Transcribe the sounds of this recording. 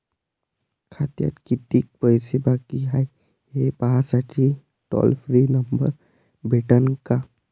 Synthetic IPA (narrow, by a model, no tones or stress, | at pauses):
kʰat̪ja̰t̪kit̪ik̚pəjsebakiɦaj | ɦepaɦasaʈʰi | ʈɔ̰lpʰɾinəmbə̰ɾ | bʱeʈənka